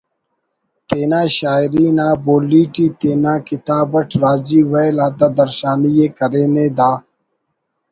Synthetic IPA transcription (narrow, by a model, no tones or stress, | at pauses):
t̪eːnãːɕaːɪɾiːnãːboːliːʈiːt̪eːnaːkɪt̪aːbəʈʰɾaːd͡ʑiːwejlaːt̪ad̪ɐɾʃaːnijeːkɐɾeːneːd̪aː